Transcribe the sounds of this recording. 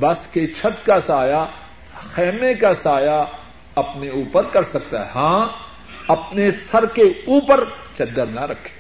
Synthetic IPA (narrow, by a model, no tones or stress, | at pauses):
bɐsket͡ʃʰɐt̪kasaːja | xɛːmẽkasaːja | ɐpneuːpəɾkɐɾsɐk̚t̪aɦɛɦãː | ɐpnesɐɾkeuːpəɾt͡ʃɐd̪ːəɾnaɾɐkʰːe̥